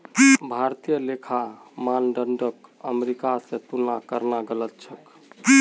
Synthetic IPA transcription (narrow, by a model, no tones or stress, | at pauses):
bʱaɾt̪ijəlekʰamanɖəɳɖəkəmeɾikasẽt̪unakəɾnaɡələt̪̚t͡ʃʰək